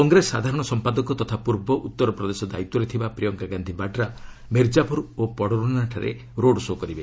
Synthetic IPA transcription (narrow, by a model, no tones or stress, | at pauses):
kɔŋɡɾesːad̪ʱaɾɔɽ̃ɔsɔmpad̪ɔkɔt̪ɔt̪ʰapuɾbɔʔut̪ːɔɾɔpɾɔd̪esɔd̪a̰it̪ːɔɾet̪ʰibapɾijɔŋkaɡand̪ʱibaɖɾa | meɾd͡ʒabuɾopɔɽɔɾunaʈʰaɾḛ | ɾoɖsokɔɾibe